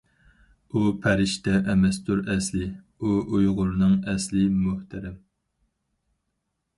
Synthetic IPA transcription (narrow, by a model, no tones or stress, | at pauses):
upʰɛɾɪʃt̪ɛʔɛmɛst̪uɾɛslɪ | uʔujʁʊɾnɨŋɛslɪmʊht̪ʰæɾɛm